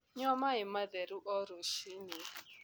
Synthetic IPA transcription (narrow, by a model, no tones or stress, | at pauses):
ɲɔmaɪmaðɛɾuʔɔɾoʃini